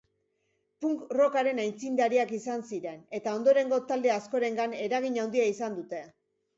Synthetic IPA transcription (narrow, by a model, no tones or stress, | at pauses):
puŋkro̞kaɾe̞najnt͡sind̪aɾiakisansiɾe̞ne̞t̪ao̞nd̪o̞ɾe̞ŋɡo̞t̪ald̪e̞asko̞ɾe̞ŋɡane̞ɾaɣ̞iɲawnd̪iaisand̪ut̪e̞